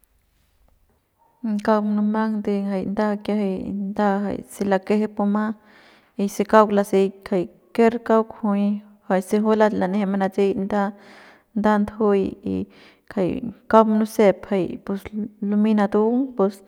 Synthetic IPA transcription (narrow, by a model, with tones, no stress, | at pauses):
ŋka˦wmnu˧ma˦ŋd̪e˧ŋɡa˨jnd̪a˦kja˧ɦa˧jnd̪a˦ɦa̰˨jsi˧la˧ke˦ɦe˦pu˧ma˦ | i˧se˧ka˦wkla˧si˧jkʰa˨j | ke˦ɾka˦wkhu˧j | ha˨jse˧ɦo˦la˧la˨ne˧he˧ma˧na˧t͡se˦jnd̪a˦ | nd̪a˦nd̪ho˦jḭ˧ | kʰa˨jka˦wmnu˦se˧pha˧jpu˧slu˧mi˦na˧d̪u˦ŋpu˧s